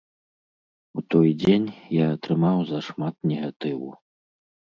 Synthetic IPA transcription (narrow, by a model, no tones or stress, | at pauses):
ut̪ɔjd͡zʲenʲjaɐt̪ɾɨmawzɐʂmat̪̚nʲɛɣat̪ɨwṵ